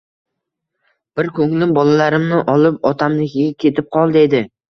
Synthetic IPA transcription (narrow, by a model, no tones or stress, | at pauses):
b̥ɪɾkʰɵŋlɪbɒlalaɾɪmnɪʔɒlˠɪpɒt̪ʰamlɪkʲʰɪɡʲakʲʰe̞t̪ʰɪp̚qʰɒlˠd̪e̞d̪ɪ